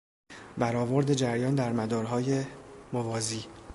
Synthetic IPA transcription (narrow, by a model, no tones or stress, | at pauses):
bæɾɒːvo̞ɾd̪e̞d͡ʒæɾjɒːnd̪æɾmæd̪ɒːɾɦɒːje̞movɒːziː